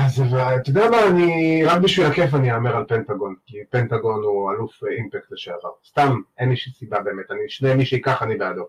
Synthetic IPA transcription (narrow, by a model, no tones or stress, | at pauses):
azvt̪od̪eamaːniʁakbiʃvilakef̬aniaːmeʁalpent̪aɡo̞nkipent̪aɡo̞nualufimpektleʃeaʁast̪ameniʃisibabe̞ːmetaniʃnemiʃeikaχanibeado